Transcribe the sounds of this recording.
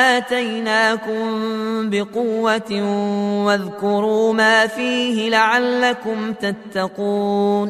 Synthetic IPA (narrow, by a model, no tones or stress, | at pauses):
ʔaːt̪ajnaːkʊmbɪqʊwːa | waðkʊɾuːmaːfiːhɪlaʕalːakʊmt̪at̪ːɑquːn